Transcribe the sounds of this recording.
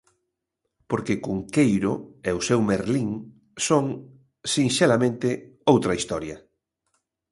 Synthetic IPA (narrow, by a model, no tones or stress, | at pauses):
poɾkekuŋkejɾoeʊsewmeɾliŋ | soŋ | siŋʃelamẽnt̪ɪowt̪ɾɐist̪ɔɾjɐ